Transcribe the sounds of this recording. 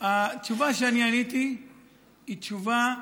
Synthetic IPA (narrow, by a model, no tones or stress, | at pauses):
at͡ʃuvaʃ̬anianitiː | t͡ʃuva